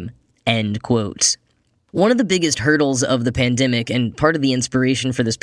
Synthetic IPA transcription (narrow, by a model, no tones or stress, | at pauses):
m | ɛ̃nkʰw̥oʊts | wʌ̃nʌvðɨbɪɡɨst̚hɜ˞ɾl̩ˠzʌvðɨpʰæ̃ndɛmɪkɨ̃npʰɑɹɾʌvðiɪ̃nspə˞eɪʃɨ̃n̩fə˞ðɪsp